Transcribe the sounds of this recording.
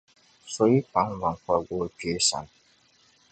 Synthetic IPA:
so˦i˦pa˨˦ŋva˨ŋ˨kwa˦ɡo˦pe˨˦sa̰˨˦n

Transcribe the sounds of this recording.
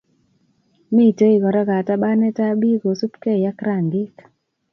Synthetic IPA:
mi˦˨to˦i˨ɡɔ˨ɾɔ˦ɡa˨ta˦ba˦nɛ˦ta˦bi˦ɡo˨su˦pke˦˨ja˦kɾa˨ŋɡɪ˦k

